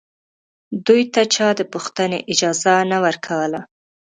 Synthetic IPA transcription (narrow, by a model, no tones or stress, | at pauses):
d̪ujt̪at͡ʃɑd̪əpuxt̪ənḛʔɪd͡ʒɑzanawəɾkʰawəla